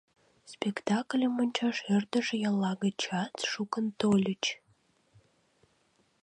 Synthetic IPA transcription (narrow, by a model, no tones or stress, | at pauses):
spʲekt̪ɑklʲəmonʲt͡ɕɑʃert̪əʒejɑlːɑɣət͡ɕɑt͡sʃukənt̪olʲət͡ɕ